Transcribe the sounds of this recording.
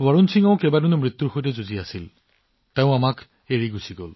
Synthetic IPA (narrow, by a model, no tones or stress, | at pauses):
waɹunsiŋãʊ̃kebadunumɹit̪ːuɹxojtɛzuziasil | teʊ̃amak | eɹiɡusiɡo̰l